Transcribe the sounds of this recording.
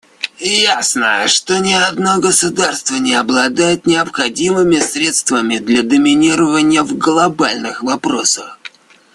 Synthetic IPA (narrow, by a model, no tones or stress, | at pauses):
jasnə̰ʂt̪o̞nʲɪɐd̪noɡəsʊd̪arst̪vənʲɪɐblˠɐd̪ajɪt̪nʲɪɐpxɐdʲimɨmʲɪsɾʲe̞t̪st̪vəmʲɪd̪lʲad̪əmʲɪnʲiɾəvənʲɪjəvɡlˠɐbalʲnɨxvɐpɾo̞səx